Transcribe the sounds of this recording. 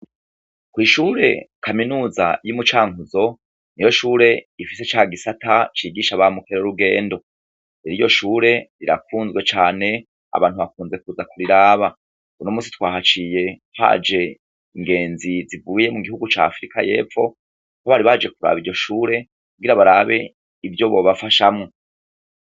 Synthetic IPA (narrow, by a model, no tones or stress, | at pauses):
kwiːʃuːɾe̞̰kʰaminuːza̰jumut͡ʃaːŋuzo̞ | nijo̞ʃuːɾe̞ifiset͡ʃaːɡisatat͡ʃiːɡiːʃaβamukʰeɾoɾuɡe̞̰ːndo̞ | eɾijo̞ʃuːɾe̞ɾiɾa̰kuːnzɡwe̞t͡ʃaːne̞ | a̰βa̰ːnhuβakuːnze̞kuːzakuɾiɾaːβa | unomuːsi̥twaːɦat͡ʃije̞ha̰d͡ʒe̞ | iŋɡe̞ːnzizivuːje̞muɡihuɡut͡ʃa̰ːfɾika̰je̞̰ːp͡fo̞ | hoβaɾiβad͡ʒe̞kuɾa̰βiɾɟo̞ʃuːɾe̞ | kuɡiɾaβaɾaβe̞ | ivjo̞βo̞βafaʃamŋo